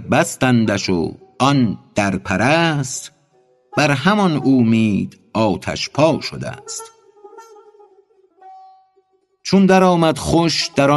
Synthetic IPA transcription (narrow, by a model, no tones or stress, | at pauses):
bæst̪ænd̪æʃo̰ɒnd̪̥æɾpʰæɾæːst̪ | b̥æɾɦæmɒnoːmiːd̪ | ɒːt̪ʰæ̰ʃpʰɒːʃo̰d̪æ̰st̪ | t͡ʃʰond̪æɾɒːmæd̪χoʃd̪̥æɾɒ